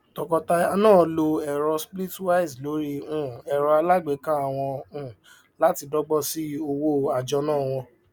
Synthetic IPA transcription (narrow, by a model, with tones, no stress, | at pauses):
tɔ˨kɔ˧ta˧a˧nãː˦˨lo˧ɛ˨ɾɔ˧spli˦twa˦i˨zlo˨˦ɾi˦ũ˦˨ɛ˨ɾɔ˧a˧la˦ɡ͡be˨˦kã˦a˨w̃ɔ̃˧ũ˦˨ | la˦ti˧dɔ˦ɡ͡bɔ˦˨si˦o˧wo˦a˨d͡ʒɔ˧nãː˦˨w̃ɔ̃˧